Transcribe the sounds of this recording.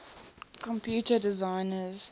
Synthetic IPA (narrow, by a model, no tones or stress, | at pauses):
kɔ̃mpʰjuːtədɪzãɪnəz